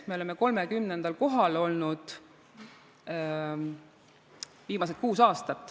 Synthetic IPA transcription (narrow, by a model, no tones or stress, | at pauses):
meole̞meko̞lmekymnend̪̥ɑlko̞ɦɑlo̞lnud̪̥ | viːmɑs̬et̪̚kuːsɑːst̪ɑt̪ːˑ